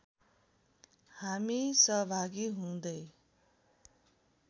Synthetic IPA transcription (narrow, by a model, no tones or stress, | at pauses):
hamisʌɦʌbʱaɡiɦũd̪ʌj